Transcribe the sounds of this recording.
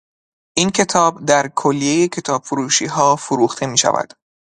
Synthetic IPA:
ʔiːncʰe̞t̪ʰɒːbd̪æɾkʰolːije̞jecʲʰe̞t̪ʰɒːb̥foɾuːʃiːɦɒːfoɾuːxt̪ʰe̞miːʃæ̰væ̰d̪̥

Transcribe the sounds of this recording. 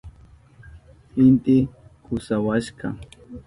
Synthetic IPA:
hɪnt̪ɪkʊsawaʃkɑ̰

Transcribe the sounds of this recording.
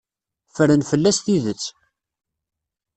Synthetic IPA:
fəɾənfəlːæsθiðət͡sː

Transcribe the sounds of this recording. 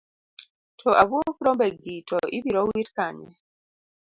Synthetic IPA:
tʰɔʔabuokɾɔmbɛɡitʰɔʔibiɾɔwitkaɲɛ̰

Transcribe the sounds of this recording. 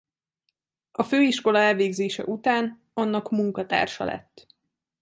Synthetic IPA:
ɒføːiʃko̞lɒɛlveːɡzeːʃɛ̰ʔut̪aːn | ɒnːɒkmuŋkɒt̪a̰ːrʃɒ̰lɛ̰t̪ː

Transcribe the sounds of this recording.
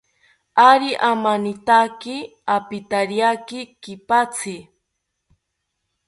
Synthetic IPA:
aɾɪʔamanɪt̪akɪ | apɪt̪aɾjakɪkɪpat͡sɪ

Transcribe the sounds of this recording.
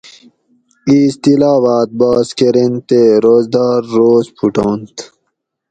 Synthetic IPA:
iːst̪ilaːwaːt̪̚baːskeɾent̪eɾoːzd̪aːɾːoːzpʰuʈont̪

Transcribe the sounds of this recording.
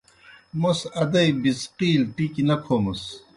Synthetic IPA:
mosɐd̪ɐjbisqiːlʈikinɐpʰomus

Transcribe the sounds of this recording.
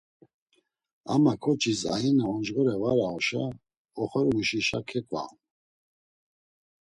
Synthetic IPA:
a̰makʰɔt͡ʃʰisa̰inaɔnd͡ʒɣɔɾɛvaɾaɔʃa | ɔχɔɾuʃiʃa̰kʰɛkʼva̰

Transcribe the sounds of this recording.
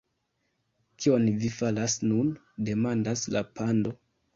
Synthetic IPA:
kio̞nvifalasnun | de̞mandaslapando̞

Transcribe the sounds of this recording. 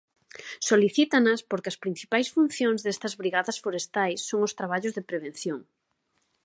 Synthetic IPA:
soliθit̪anɐspoɾkɪɐspɾin̟θipajsfun̟θjoŋzðest̪ɐzβɾiɣaðɐsfoɾest̪ajsːoŋʊst̪ɾaβ̞aʎʊzðepɾeβẽn̟θjoŋ

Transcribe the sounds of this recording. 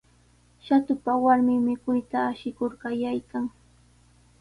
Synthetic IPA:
ʃat̪ʊpawaɾmɪmɪkʊjt̪aːʃɪkʊɾkajajkaŋ

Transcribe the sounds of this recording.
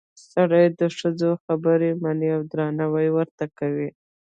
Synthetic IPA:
saɽajd̪əʂəd͡zoxabəɾemaneawd̪ɾɑnawajwəɾt̪akawi

